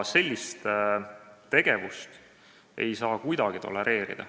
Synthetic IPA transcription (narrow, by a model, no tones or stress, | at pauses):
se̞lʲːist̪ | t̪e̞ɡ̥e̞vust̪ | e̞̰jsɑːkujd̪ɑɡ̥it̪o̞̰le̞ɾe̞ːɾḭd̪̥ɑ̰